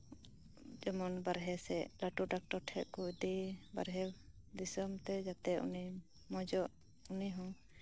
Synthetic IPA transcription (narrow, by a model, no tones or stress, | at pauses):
d͡ʒɔmɔnbaɾɦɛsɛʔlaʈuɖak̚ʈɔɾʈʰɛʔ̪̚kuʔd̪iba̰ɾɦɛ | d̪isɔmt̪ɛd͡ʒat̪ɛṵni | mɔd͡ʒɔʔ | uniɦɔ̃